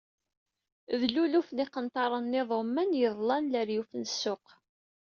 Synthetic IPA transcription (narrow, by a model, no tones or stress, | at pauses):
ðlulufniqənt̪ɑɾˤənːɪðˤomːænjəðˤlɑnləɾjufnəsːʊq